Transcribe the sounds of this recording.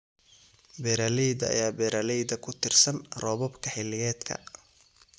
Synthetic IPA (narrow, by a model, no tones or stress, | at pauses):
bɛɾalɛjd̪ɐɐ̰jaːbɛːɾʔaːlɛjðɐkʰʊt̪ʰɪrsɐnrɔːβɔbkʰɐħɪlːɪjɛːd̪kʰɐ̰